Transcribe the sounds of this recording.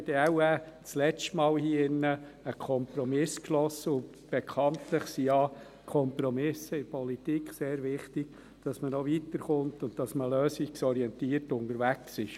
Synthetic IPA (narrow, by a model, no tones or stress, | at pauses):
dəæwæt͡slɛt͡ʃtmɑːlhiːɪnːə | əkʰɔmpɾɔmɪskʃlɔsːəʊn | b̥ɛkʰɑntləχsiɑ | kʰɔmpɾɔmɪsəɪɾpʰɔlitikχseːɾʋɪχtiɡ̥ | d̥ɑsmənɔʋit̪əɾχʊntʊndtɑsməløːsiksɔɾiɛntiːərtʊndəɾʋæksɪʃ